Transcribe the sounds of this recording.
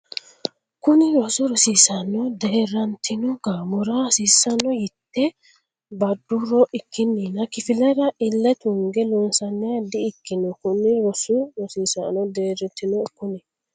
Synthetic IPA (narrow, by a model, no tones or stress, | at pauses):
kʊnɪɾɔsɔɾɔsiːsɐnɔd̪eːɾɐnt̪ʰːɪnɔɡamɔɾɐsisːɐnːɔjɪt̪ːɛ | bɐd̪ːuɾɔʔɪkːɪnːinɐkɪfɪlɐɾɐʔɪlːɐt̪ʊŋɡɛlɔnsɐnːɪjɐd̪ɪːkːɪnɔkʊnːɪɾɔsʊɾɔsiːsa̰nɔd̪eːɾɛt̪ːɪnɔkʊnɪ